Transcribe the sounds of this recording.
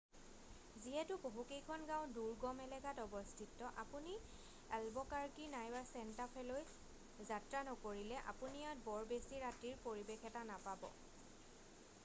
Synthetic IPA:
ziɛtʊpoɦukejkʰɔnɡãʊ̃duɹɡɔmɛlɛɡatɔbɔstʰitːɔʔa̰puni | albɔkaɹkinajbaɹsɛntapʰɛloj | zatɹanɔkoɹilɛʔa̰punijat̚bɔɹbesiɹatiɹpoɹibexʰɛtanapabɔ̰

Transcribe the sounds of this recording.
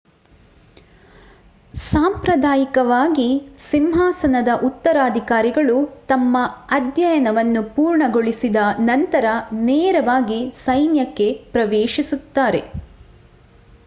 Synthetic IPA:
saːmpɾɐd̪aːjikɐʋaːɡisimɦaːsɐnɐd̪ɐʔut̪ːɐɾaːd̪ʱikaːɾiɡɐɭut̪ɐmːɐɐd̪jɐjɐnɐʋɐnːupuːɾɳɐɡoɭisid̪ɐnɐnt̪ɐɾɐneːɾɐʋaːɡisɐjnjɐkːe̞pɾɐʋeːʃisut̪ːaːɾe̞̰

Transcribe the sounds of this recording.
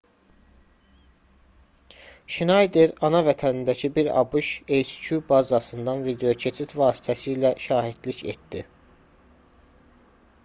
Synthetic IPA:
ʃinɑjd̪eɾɑnɑvæt̪ʰænind̪æcʰibiɾɑ̰buʃelscʰubɑzɑsɯnd̪ɑnvid̪e̞jo̞cʰe̞t͡ʃʰit̪vɑːsi̥t̪ʰæsiːlæʃɑːɦid̪̥licḛt̪̚d̪i

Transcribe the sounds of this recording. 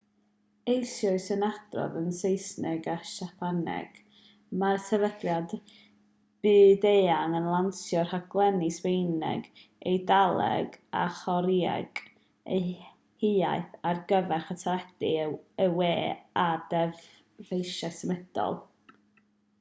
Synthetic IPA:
ejsjɔɨsənad̥rɔ̰vənsejsnɪɡaʃapʰanɛ̰ɡ̥ | marsʰɛvədljad | b̥ɨːdeːanənlˠansjɔrhaɡ̥lˠɛnɪswejnɛ̰ɡ | ejdalˠɛ̰ɡa̰χɔɾia̰ɡ̥ | e | hia̰jθarɡəvɛrχətʰaɾɛd̥iəweːadɛv | vejʃasəmɛd̥ɔ̰lˠ

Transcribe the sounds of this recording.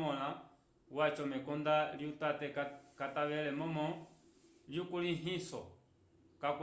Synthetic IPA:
ɔla | wat͡ʃɔmɛkɔndaljutatɛkataʋɛlɛmɔmɔ | ljukuliɦisɔ̰ | kak

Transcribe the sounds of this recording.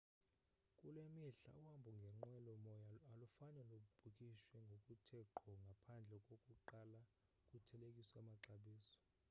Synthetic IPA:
kʼulwemiɬa̰uwambʱuŋɡʱɛŋ͡ǃɛlɔmɔjaalufaɲalok̬ub̥ʱukʼiʃwɛŋɡʱokʼutʰɛǃʰɔŋɡʱapʰand͡ɮʱɛkʼokʼuǃala | kʼutʰɛlekʼisamaǃaɓiːsɔ̥

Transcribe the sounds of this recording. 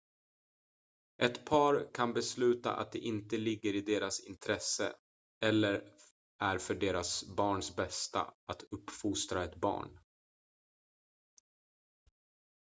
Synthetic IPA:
ʔɛt̪pʰɑːɾkʰanbɛslʉ̟ːt̪a̰ʔa̰t̪̚d̪ɛʔɪnt̪əlɪɡːəɾɪd̪eːɾasɪnt̪ʰɾɛsːə̰ | ɛlːəɾ | ʔæɾfœɖeːɾasbɑːɳsbɛst̪a̰at̪ɵpːfʊst̪ɾaɛt̪bɑ̰ːɳ

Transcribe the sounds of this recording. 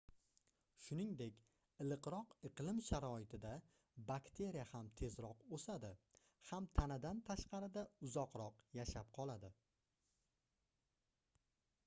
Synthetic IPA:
ʃʊnɪŋd̪e̞kʲ | ɪlˠɨqɾɒqɨqlˠɪmʃaɾɒɪt̪ʰɪd̪a | bakt̪ʰe̞ɾijahamt̪ʰe̞zɾɒqosad̪ɪ | hamt̪ʰanɪd̪ant̪ʰaʃqɑɾɪd̪aʊzɒqɾɒqjaʃap̚qʰɒlˠad̪ɪ

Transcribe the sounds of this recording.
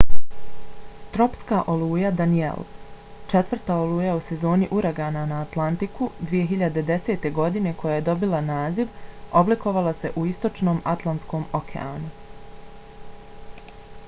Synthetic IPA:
t̪ɾo̞pskaːʔo̞lˠuːjad̪aniḛlˠt͡ʃe̞t̪ʋr̩t̪aolˠuːjause̞zo̞ːniʔuɾaɡaːnanaːt̪lˠant̪ikud̪ʋije̞ɦiʎad̪e̞d̪e̞seːt̪e̞ɡo̞d̪ine̞kʰo̞jaje̞d̪o̞bilanaːziʋo̞bliko̞ʋalˠase̞ʔuist̪o̞t͡ʃno̞ːmat̪lˠant̪sko̞ːmokʰḛa̰ːnu

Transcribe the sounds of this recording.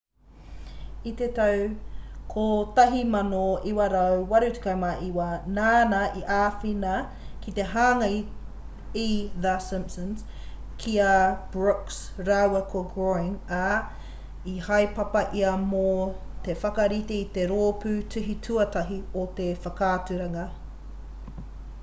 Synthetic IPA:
it̪et̪ɐwkʰot̪ɐɦimɐnoiwɐɾɐwwɐɾutʉ̥kɐmaʔiwɐnaːnɐʔiʔaːfinɐ | kit̪e̞ɦaːŋɐj | iðɐsɪ̃mpsɐns | kʰiɐb̥ɹɔks | ɾawɐkʰoɡɾoɪŋa | ihɐjpɐpɐʔiɐmo | t̪e̞fɐkɐɾit̪eit̪e̞ɾoːpʉtʰʉɦitʰʉɐt̪ɐɦiot̪efɐkaːtʉɾɐŋɐ

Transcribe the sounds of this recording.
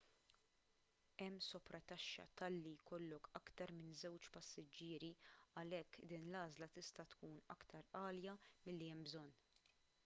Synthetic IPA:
ɛmːsɔpɾɐt̪ɐʃːɐ̰t̪ɐlːijkɔlːɔkɐkt̪ɐɾmɪnzɛwt͡ʃpɐsːɪd͡ʒːɪːɾiɐlɛkːd̪iːnlɐːzlɐt̪ɪst̪ɐt̪kuːnɐ̰kt̪ʰɐɾɐːljɐmɪlːiɛmbzɔnː

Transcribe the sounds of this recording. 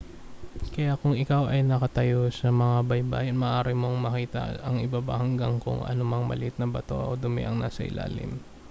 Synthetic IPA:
kɐjakʊŋɪkawʔɐjnɐkɐt̪ɐjosɐmɐŋabɐjba̰ːjonmɐːʔaːɾɪmoŋmɐkiːt̪ɐ̰ɐŋɪbaːbɐ̰hɐŋɡaŋkʊ̰ŋʔɐ̰nʊmɐŋmɐ̰lɪhɪt̪̚nɐbɐt̪o̞̰ʔod̪ʊmɛ̰ʔɐŋna̰ːsɐ̰ʔɪ̰lʔa̰ːlɪ̰m

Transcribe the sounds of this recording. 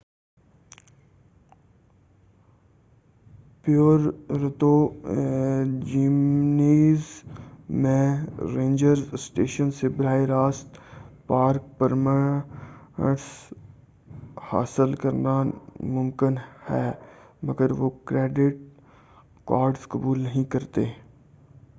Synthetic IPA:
pjoːɾɾt̪o | d͡ʒimniːz | mẽɾẽːɲd͡ʒəɾzsʈeːʃənsɪbɾaːiɾaːst̪paːɾk̚pəɾmə | əʈs | ha̰ːsəlkɐɾnamʊmkɪnhɛːmɐɡəɾʋokɾɛːɖɪʈ̚ | kaːɾɖskɐbuːlnɐɦĩkɐɾt̪eː

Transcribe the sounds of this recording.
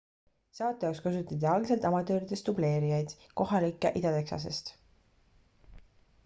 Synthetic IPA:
sɑːt̪ːˑejɑokskɑsut̪ːˑɑt̪̬ːiɑlɡselt̪ɑmɑt̪ˑø̞ːɾid̪e̞st̪uble̞ːɾijɑjd̪̥ | ko̞ɦɑlikːˑeʔid̪ɑt̪e̞ksɑ̰s̬e̞̰st̪

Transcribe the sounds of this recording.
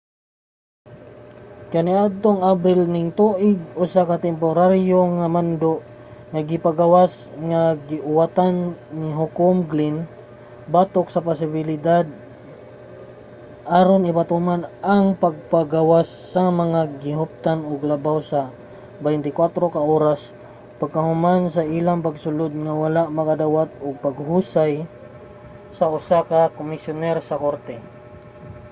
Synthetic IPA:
kaniʔad̪̚t̪oŋabɾɪlnɪŋt̪uʔɪɡʊsakat̪ɛmp̬oɾaɾjoŋamand̪oʔ | ŋaɡɪpaɡawas | ŋaɡɪʔʊwat̪anːiɦʊkʊmɡlin | bat̪oksɐpʊsɪbɪlɪd̪ad̪̚ | ʔaɾonɪbat̪umanaŋpɐɡ̚paɡawasːɐmɐŋaɡɪɦʊp̚t̪anʊɡlɐbawsɐ | bɛjnt̪ɪkwat̪ɾokaʔoːɾas | pɐɡ̚kɐhʊmans̬ɐʔilaŋpɐɡsʊlod̪̚ŋawalaʔmɐkad̪awat̪̚ʊɡ̚pɐɡɦusaj | sɐʔʊsakakomɪsjʊnɛɾsɐkoɾt̪ɛ

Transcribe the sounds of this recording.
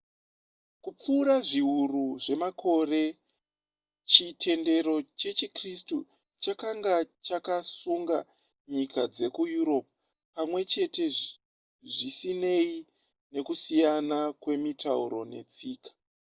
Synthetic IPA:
kup͡fuːɾaʐiɦuruʐe̞makʰo̞re̞ | t͡ʃitʰe̞nde̞ɾo̞t͡ʃe̞t͡ʃikristu | t͡ʃakaŋɡat͡ʃakasuŋɡa̰ | ɲikad͡ze̞kujuɾo̞p̚ | pamwe̞t͡ʃe̞te̞ | ʐisine̞i | ne̞kusijanakwe̞mitʰa̰ṵɾo̞̰ne̞̰t͡siːkḁ

